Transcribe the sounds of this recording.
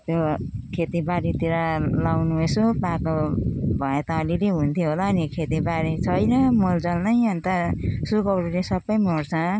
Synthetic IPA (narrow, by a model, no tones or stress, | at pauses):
t̪jokʰet̪ibaɾit̪iɾalawnuesopãkobʱʌet̪ʌːlileɦunt̪ʰjoɦolaːnikʰet̪ibaɾit͡sʰʌjnʌmold͡zʌlnʌjʌnt̪ʌsukʌwɽulesʌbʌjmoɽt͡sʰʌ